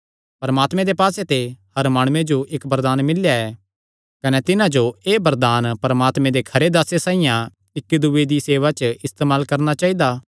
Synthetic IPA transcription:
pɐɾɐmaːt̪mẽd̪epaːset̪ehɐɾmaːɽ̃ũẽd͡ʒoʔɪkbɐɾd̪aːnmɪljaɛː | kɐnɛt̪ɪnãd͡ʒoeːbɐɾd̪aːnpɐɾɐmaːt̪mẽd̪ekʰɐɾed̪asesãːɪjã | ɪkːd̪ued̪iseːʋat͡ʃɪst̪eːmaːlkɐɾnat͡ʃaːid̪aː

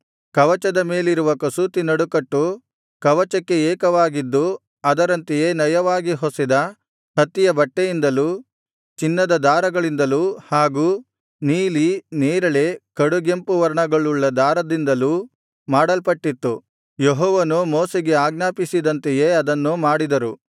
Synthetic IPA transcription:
kɐʋɐt͡ʃɐd̪ɐme̞ːliɾuʋɐkɐsut̪inɐɽukɐʈːu | kɐʋɐt͡ʃɐkːe̞ɛːkɐʋaːɡid̪ːu | ɐd̪ɐɾɐnt̪ejeːnɐjɐʋaːɡiɦosid̪ɐ | hɐt̪ːijɐbɐʈːejind̪ɐluː | t͡ʃinːɐd̪ɐd̪aːɾɐɡɐɭind̪ɐluːhaːɡuː | niːliniːɾɐɭe̞kɐɽuɡempuʋɐɾɐɳɐɡɐɭuɭːɐd̪aːɾɐd̪ind̪ɐluː | maːɽɐlpɐʈːit̪ːu | jeɦɔːʋɐnumoːseɡe̞aːɡnaːpisid̪ɐnt̪eje̞ːɐd̪ɐnːumaːɽid̪ɐɾu

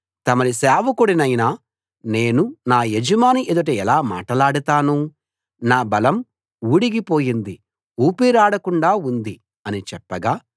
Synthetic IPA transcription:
t̪ɐmɐnisaːʋɐkuɽinɐjnaː | ne̞ːnunaːjed͡ʒɐmaːniʔed̪uʈ̬eɛlaːma̰ːʈɐlaːɽut̪aːnu | naːbɐlɐm | uɽiɡipoːjind̪i | uːpiːɾaːɽɐkuɳɖaːund̪i | ɐnit͡ʃɛpːɐɡaː

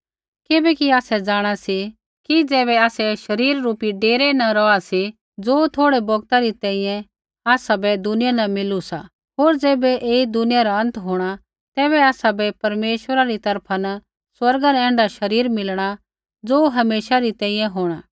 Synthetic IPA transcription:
kɪbɛkiaːsɛd͡zaːɽ̃asi | kid͡zɛːβɛaːsɛʃɐɾiːɾːuːpiɖeːɾɛnɐɾɔasi | d͡zoːt̪ʰoːɽebɔɡt̪aɾit̪ɛ̃ːĩːjɛ̃ | aːsabɛd̪ʊnɪjanɐmɪlusa̰ | ɦoːɾd͡zɛːbɛʔeːid̪ʊnɪjaɾaɐ̃nt̪ɦoːɽ̃a | t̪ɛːbɛaːsabɛpɐɾmeːʃwəɾaɾit̪ɐɾpʰanɐ | swɐɾɡanɛɛ̃ːɳɖaʃɐɾiːɾmɪlɽ̃a | d͡zoːɦɐmeːʃaɾit̪ɛ̃ːĩjɛ̃ɦoːɽ̃aː

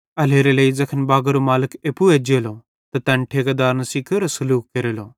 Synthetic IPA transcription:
ɐleːɾeleizɐkʰənbaːɡɐɾomaːlɪkeːpueːd͡ʒeːlo | t̪ɐt̪ɐ̃nʈʰeːkɐd̪aːɾnɐsiːkʰeɾɐsɐluːkkeɾeːloː

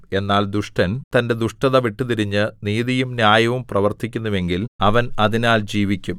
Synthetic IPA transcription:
e̞nːaːld̪uʂʈɐnt̪ɐnde̞d̪uʂʈɐðɐʋiʈːɨt̪iɾiɲːɨniːðijumnjaːjɐʋumprɐʋɐrt̪ikʲːunːuʋe̞ŋɡilɐʋɐnɐðinaːld͡ʑiːʋikʲːum

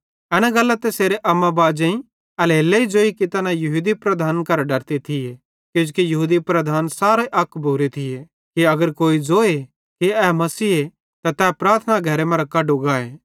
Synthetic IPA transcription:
ɛnãɡɐlːat̪eseːɾeʔɐmːabaːd͡ʒẽĩ | ɐleːlːeid͡ʒoːikit̪ɐnãjɐɦuːd̪ipɾɐd̪ʱaːnkɐɾɖɐɾt̪it̪ʰɪje | kjʊ̃d͡ʒkijɐɦuːd̪ipɾɐd̪ʱaːnsaːɾeʔɐkʰːbʱuɾit̪ʰɪje | kiɐɡəɾkoːid͡zoːe | kiɛːmɐsiːɦe | t̪ɐt̪ɛːpɾaːɾt̪ʰnaɡʱɐɾemɐ̃ɾɐkɐɖuɡaːeː

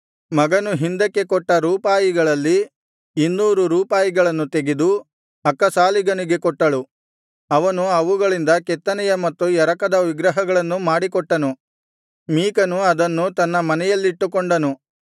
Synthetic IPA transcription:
mɐɡɐnuɦind̪ɐkːe̞kɔʈːɐɾuːpaːjiɡɐɭɐlːiː | nːuːɾuɾuːpaːjiɡɐɭɐnːut̪eɡed̪u | ɐkːɐsaːliɡɐniɡe̞kɔʈːɐɭu | ɐʋɐnuɐʋuɡɐɭind̪ɐkɛt̪ːɐnɛjɐmɐt̪ːujɛɾɐkɐd̪ɐʋiɡɾɐɦɐɡɐɭɐnːumaːɽikɔʈːɐnu | miːkɐnuɐd̪ɐnːut̪ɐnːɐmɐnɛjɐlːiːʈːukɔɳɖɐnu

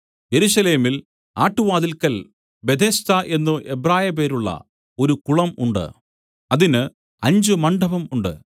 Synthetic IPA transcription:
je̞ɾuʂɐle̞ːmil | a̰ːʈːuʋaːðilkɐl | be̞d̪ʱeːst̪ɐʔe̞nːuʔebraːjɐpeːɾuɭːɐ̰ | o̞ɾukuɭɐmṵɳɖɨ̰ | ɐðinɨ | ɐɲd͡ʑɨmɐɳɖʱɐbɐmuɳɖɨ̰

